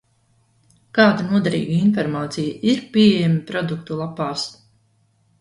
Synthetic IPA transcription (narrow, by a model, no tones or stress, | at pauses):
kaːd̪anuɔd̪aɾḭːɡainfɔɾmaːt̪sijaiɾpʲiɛɛjɛmapɾɔd̪uk̚t̪ulˠapaːs